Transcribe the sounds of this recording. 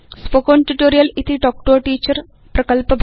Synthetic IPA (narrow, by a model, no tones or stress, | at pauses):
spokoːnʈuʈoːɾijɐlit̪ʰiʈoːk̚ʈoːʈiːt͡ʃɐɾ | pɾɐkɐlpɐbʱ